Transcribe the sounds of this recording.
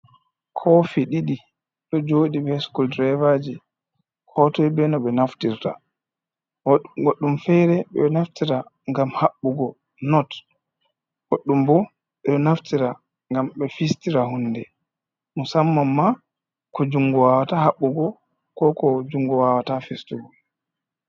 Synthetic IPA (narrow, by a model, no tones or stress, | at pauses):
kʰɔfiɗiɗi | ɗɔd͡ʒoɗibɛskuldɾɛvad͡ʒi | kʰɔtɔjbɛnɔɓɛnaftiɾta̰ | ɡoɗːumfɛjɾɛɓɛ̰naftiɾa | ŋɡamhaɓːuɡɔ | nɔt | ɡ̥oɗːumbɔ | ɓɛɗɔnaftiɾa | ŋɡamɓɛfistiɾahunːdɛ | musamːamːa | kɔd͡ʒuŋɡɔwawatahaɓːuɡɔ | kɔkɔd͡ʒuŋɡɔwawatafistuɡɔ